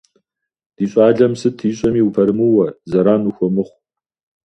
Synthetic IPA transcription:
d̥iːɕʼɑːɮɐmsɨtʰiːɕʼɐmiːupʰɐɾɨmuwɐzɐɾaːnuxʷɔmɨχʷ

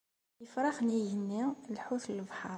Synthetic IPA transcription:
jəfɾˤɑxnijənːilħuθləlbħɑɾˤ

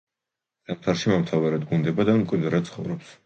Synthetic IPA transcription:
samt̪ʰaɾʃimamt̪ʰavɛɾad̪̚ɡund̪ɛbad̪anmkʼɛnd̪ɾat̪̚sʰχɔ̰vɾɔps

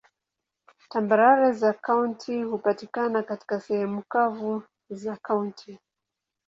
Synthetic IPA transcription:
tambaɾaɾɛzakauntʰihupatikanakati̥kasɛhɛmukavu | zakauntʰi

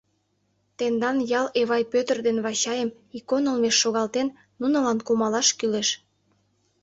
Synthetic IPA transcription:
t̪end̪ɑnjɑleβɑjpøt̪ərd̪enβɑɕɑjəm | ikonəlmeʃːoɣɑlt̪enːunə̆lɑnkumɑlɑʃkyleʃ

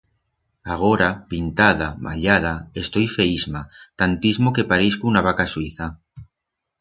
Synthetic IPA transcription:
aɣ̞oɾapint̪aðama̰ʎað̞aest̪o̞jfeizmat̪ant̪izmokepaɾiskuunaβ̞akaswiθa

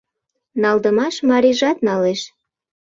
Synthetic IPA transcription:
nɑld̪əmɑʃmɑɾiʒɑt̪nɑleʃ

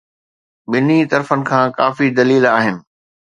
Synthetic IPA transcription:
ɓɪnit̪ɐɾfənɪ̆kʰãːkaːfid̪ɐliːlaːɦɪnɪ̆

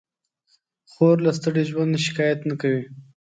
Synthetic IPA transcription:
xoɾlast̪əɽiʒwand̪eʃɪ̥kɑjat̪nakawi

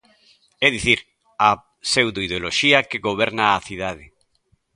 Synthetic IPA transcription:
ɛðiθiɾ | a | sewd̪oið̞eoloʃiakeɣoβɛɾnaːθiðað̞ɪ

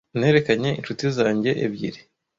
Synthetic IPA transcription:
ne̞ːɾe̞kaɲe̞ḭnʃutizaːɲɟe̞ʔḛβɟḭɾi

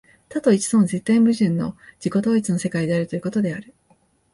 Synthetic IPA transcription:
t̪at̪o̞it͡ɕi̥sõ̞nzet̪ːẽ̞mbɯ̟ʑɨ̃nːo̞̰d͡ʑ̥iko̞d̪o̞ːit͡sɨno̞se̞kaid̪e̞aɾɯ̟t̪o̞jiɯ̟ko̞t̪o̞d̪e̞aɾɯ̟

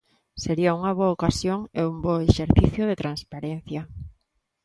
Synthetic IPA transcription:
seɾiauŋaβ̞oaokasjoŋeumboeʃeɾθiθjoð̞et̪ɾanspaɾen̟θja

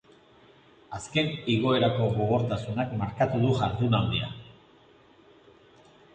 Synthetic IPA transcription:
aske̞niɣo̞e̞ɾako̞ɣo̞ɣ̞o̞ɾt̪asunakmaɾkat̪uðuʝaɾðunald̪ia̰

